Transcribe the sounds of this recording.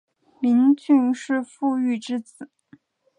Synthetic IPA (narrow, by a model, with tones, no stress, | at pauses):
mi˧˥nt͡ɕy˥˧nʂɻ̩˥˧fu˥˧y˥˩ʈ͡ʂɻ̩˥t͡sɹ̩˨˩˦